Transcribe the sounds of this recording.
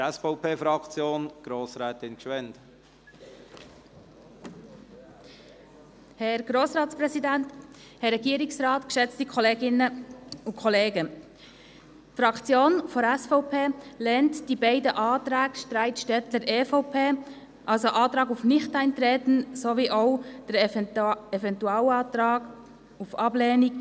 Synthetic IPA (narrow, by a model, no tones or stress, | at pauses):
ɛsfɔʊpʰeːfɾɑkt͡sjoːnɡ̥ɾoːsɾɛːt̪ɪnkʃʋɛnt̪ | hɛɾɡɾoːsɾɑːtspɾɛsidænt | hɛrːɛɡiəɾɪksrɑːtkʃɛt͡stikʰχɔleːɡɪnəʊkʰχɔleːɡə | fɾɑkt͡sjoːnfɔɾæsfɔʊpʰeːlɛːntd̥ibɛɪdəʔɑːt̪ɾæːɡʃtɾæɪtʃtɛtəɾeːfɔʊpʰeː | ʔɑlsoʔɑːt̪ɾɑːɡufnɪχtæɪnt̪ɾeːt̪n̩soʋiːʔoʊd̥əɾ | ɛvɛntuɑːlɑːtɾɑːɡ | ufɑblɛːnik